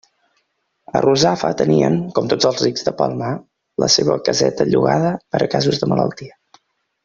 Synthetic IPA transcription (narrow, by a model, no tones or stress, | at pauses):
əruzafət̪əniəŋkɔmt̪od͡zəlˠzriɡzðəpalˠmə | lʔəseβəkəzɛt̪əʎuɣaðəpəɾʔəkazuzðəmələlˠt̪iə